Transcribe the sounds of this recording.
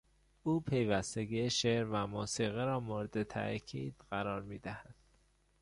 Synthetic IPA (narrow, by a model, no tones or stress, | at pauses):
ʔuːpʰe̞jvæst̪eɡieʃeɾvæmuːsiːɣiɾɒːmoɾd̪et̪ʰæ̰ʔcʰiːd̪̥ɢæɾɒːɾmiːd̪æhæd̪̥